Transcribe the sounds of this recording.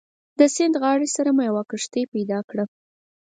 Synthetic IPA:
d̪əsɪnd̪ɣɑɽesaɾamujawɑkəʂt̪epajd̪ɑkɽa

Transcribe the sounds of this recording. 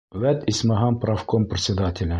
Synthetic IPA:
væt̪isʲmɑɦɑmpɾɑfkompɾʲɪt̪sʲɪd̪at̪ʲɪlʲɘ

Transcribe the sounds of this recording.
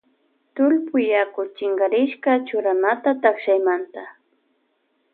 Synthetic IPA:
t̪ʊlpʊjakʊt͡ʃɪŋɡaɾɪʃkat͡ʃʊɾanat̪at̪akʃajmant̪a

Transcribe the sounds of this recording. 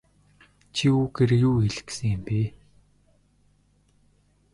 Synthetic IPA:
t͡ɕʰiuːɡeɾjuːxeɮɘ̥̆ksɘ̆ŋɪ̆mpiː

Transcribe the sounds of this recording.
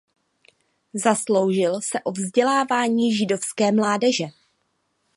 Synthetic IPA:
zaslo̞wʒɪlsɛʔo̞vzɟɛlaːvaːɲiːʒɪdo̞fskɛːmlaːdɛʒɛ

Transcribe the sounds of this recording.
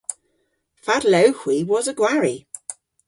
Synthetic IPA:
fadləʊhwiwɒzəɡwaɹi

